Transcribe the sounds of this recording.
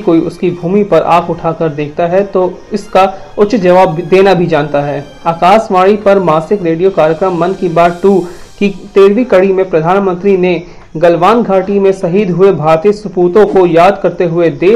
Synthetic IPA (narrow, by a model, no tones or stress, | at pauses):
koːiʊskibʱuːmipɐɾʔa̰ːkʊʈʰaːkɐɾd̪eːk̚ʰt̪aɦɛt̪oɪska | ʊt͡ʃd͡ʒɐʋaːbd̪eːnabʱid͡ʒãːnt̪aɦɛː | aːkaːsʋaːɽ̃ipɐɾmaːsɪkɾeːɖijokaːɾjəkɾəmːɐnkibaːɾʈuː | kit̪eːɾʋikɐɽimẽpɾɐd̪ʱaːnmə̃nt̪ɾine | ɡɐlʋaːnɡʱaːʈimẽsɐɦiːd̪ʱɦʊebʱaːɾt̪iːəsʊpuːt̪õkojaːd̪kɐɾt̪eɦʊed̪eː